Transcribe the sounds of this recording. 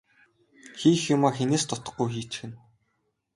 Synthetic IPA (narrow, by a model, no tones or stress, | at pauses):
xiːxjʊmaːkxeneːst̪ʰʊt̪ɞ̥̆χːujxiːt͡ɕxɘ̆n